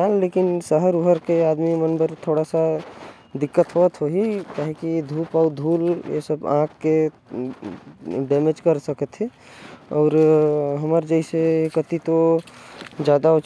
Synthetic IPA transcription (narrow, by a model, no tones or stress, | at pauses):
alːeːkɪnsəɦəɾuɦəɾkeaːd̪mimənbəɾt̪ʰoːɽasa | d̪ɪkːət̪ɦoːt̪ɦoɦikaːɦikid̪ʱuːpɔːd̪ʱuːljḛsəbã̰ːkʰke | ɖɛːmed͡ʒkəɾsəkət̪ʰɦɛ | ɔːɾɦəməɾd͡ʒəɪsekət̪it̪o | d͡ʒjaːd̪aot͡ʃ